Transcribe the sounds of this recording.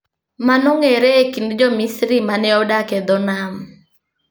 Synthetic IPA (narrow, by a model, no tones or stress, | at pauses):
manɔŋeɾekindd͡ʒɔmisɾimanɛɔdaked̪ɔnam